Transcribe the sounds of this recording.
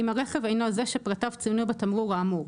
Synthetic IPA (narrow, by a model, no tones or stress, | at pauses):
imaʁeχevejnozeʃepʁatavt͡sijunujbet̪amʁuʁaːmu